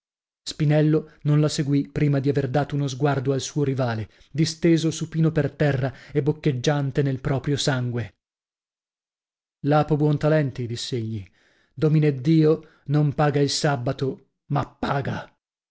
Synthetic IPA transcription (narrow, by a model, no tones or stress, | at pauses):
spinɛlːononlaseɡwipɾiːmad̪iaverd̪aːt̪ounozɡward̪oalsuːoɾivaːle | d̪ist̪eːzosupiːnopert̪ɛrːaebːokːed͡ʒːant̪enelpɾɔːpɾjosaŋɡwe | laːpobwɔnt̪alɛnt̪id̪isːeeʎːi | d̪omined̪ːiːo | nompaːɡailsabːat̪o | mapːaːɡa